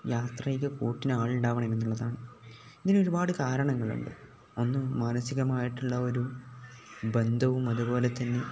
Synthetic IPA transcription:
jaːt̪rɐjkʲːɐkuːʈːinaːɭuɳɖaːʋɐɳɐme̞nːuɭːɐðaːɳɨ | iðino̞ɾubaːɽɨkaːɾɐɳɐŋːɐɭṵɳɖɨ̰ | o̞nːɨmaːnɐsiɣɐmaːjiʈːuɭːɐo̞ɾu | be̞nd̪ʱɐʋumɐðubo̞ːle̞t̪ːɐnːe̞

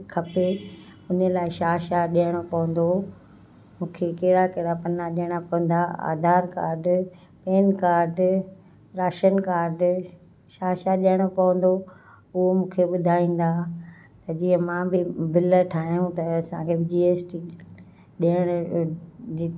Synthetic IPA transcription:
kʰɐpeʊnəlaːɪʃaːʃaɗiɦəɽ̃opɐʋə̃nd̪o | mũːkʰekeɦɪɽakeɦɽapɐnaɗiəɽ̃apɐʋə̃n̆d̪aa̰ːd̪ʱaːɾka̰ːɾɖ | peːnkaːɾɖ | ɾaːʃənkaːɾɖ | ʃaːʃaɗiəɽ̃opɐʋə̃n̆d̪o | ʊɦomũːkʰeɓʊd̪ʱaːĩːn̆d̪a | t̪ɐd͡ʑiːɦə̃mãːbɪbɪləʈʰaːɦijũt̪ɐːsãkʰebɪd͡ʑiːeːsʈi | ɗiəɽ̃ | d͡ʑiː

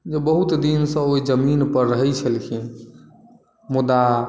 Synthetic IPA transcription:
d͡ʒebəɦut̪d̪insə̃oid͡ʒəminpəɾːəɦɛjt͡ʃʰəlkʰi | mud̪a

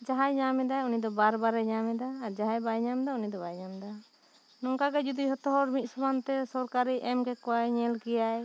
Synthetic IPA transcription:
d͡ʒaɦajɲamɛd̪aunid̪ɔbaɾbaɾɛɲamɛd̪aːɾd͡ʒaɦajbajɲamd̪aunid̪ɔbajɲamd̪a | nɔŋkakɛd͡ʒud̪iɦɔt̪ɔɦɔɾmit̪̚ˀsubant̪ɛsɔɾkaɾiʔɛmkɛkɔajɲɛlkɛjaj

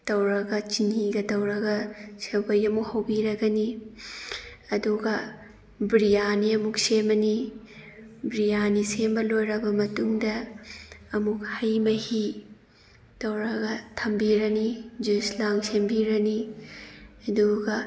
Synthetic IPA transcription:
tɐwɾɐɡɐt͡ʃiniɡɐtɐwɾɐɡɐsewbɐjɐmukhɐwbiɾɐɡɐni | ɐduɡɐ | bɾijaniɐmuk̚semɐni | bɾijanisembɐlojɾɐbɐmɐtuŋdɐː | muk̚hɐjmɐhi | tɐwɾɐɡɐtʰɐmbiɾɐnid͡ʒuslaŋsembiɾɐni | ɐduɡɐ

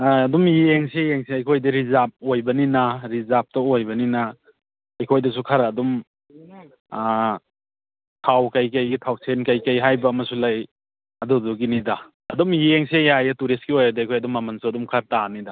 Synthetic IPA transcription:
dumjeŋsejeŋseɐjkʰojdiɾizap̚ojbɐninɐɾizap̚tɐojbɐninɐ | ɐjkʰojdɐsukʰaɾɐdum | tʰawkajkajɡitʰaw̚sʰenkajkajɦajbɐːmɐsulaj | ɐduduɡinidɐ | ɐdumjeŋsejajɐtuɾiskiojɐdiɐjkʰojɐdumːɐmɐnsuɐdumkʰaɾtanida

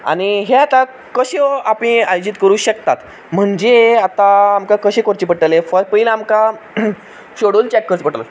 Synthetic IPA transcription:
a̰niɦeat̪a | kəɕeapĩːajod͡ʑit̪kəɾuːɕəkt̪at̪ | m̤əɳd͡ʑeat̪aːmkakəɕẽkoɾt͡ɕipəʈəlefəɾpəilaːmka | ɕoɽuːlt͡ɕɛkːəɾt͡spəʈəla̰

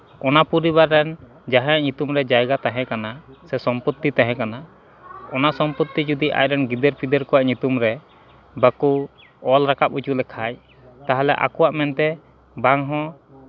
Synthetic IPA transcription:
ɔnapuɾibaɾːɛn | d͡ʒaɦãjaʔɲut̪umɾɛd͡ʒajɡat̪aɦɛ̃kanasɛsɔmput̪ːit̪aɦɛ̃kana | ɔnasɔmput̪ːid͡ʒud̪iʔa̰jɾɛnɡid̪eɾpʰid̪eɾkɔwaʔɲut̪umɾɛ | baku | ɔlɾakap̚ut͡ʃuʔlɛkʰaj | t̪aɦalɛ̰ʔa̰kɔwaʔmɛnt̪ɛ | baŋɦɔ̃

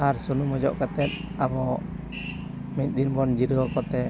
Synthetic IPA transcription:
arsunumɔd͡ʒɔʔkat̪ɛt̪aβɔ | mit̪̚d̪inbɔnd͡ʒiɾɔkɔt̪ɛ

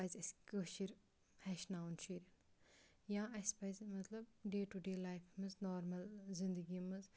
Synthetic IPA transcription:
azʲɐskoʃiɾ | hɛʃnaːunt͡ʃiːɾin | jãːɐspɐjzmɐt̪lɐbɖeːʈuɖeːlaːjfʰmɨznoːɾmɐlzind̪ɐɡimɨz

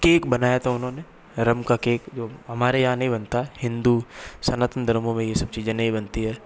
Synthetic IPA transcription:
keːkbɐnaːjat̪ʰaʊnɦõːne | ɾɐmkakeːkd͡ʒoːɦɐmaːɾejɐɦãnɐɦĩbɐnt̪aɦɛhɪ̃nd̪usɐnaːt̪ənd̪ʱɐəɾmõmẽjesɐb̚t͡ʃiːzẽnɐɦĩbɐnt̪iɦɛː

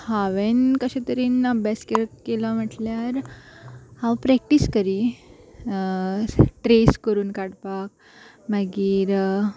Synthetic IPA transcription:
haʋenkəɕãt̪əɾiːnəbʱjaskekelam̤əʈljaɾ | hãwpɾɛk̚ʈiskəɾi | ʈɾeskəɾuːnkaɽpak̚ | maɡiːɾ

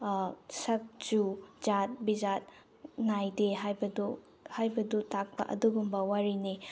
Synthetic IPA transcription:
sɐk̚d͡ʒud͡ʒat̚bizat̚ | najdeɦajbɐdu | hajbɐdutak̚pɐ̰ʔɐ̰duɡumbɐwaɾini

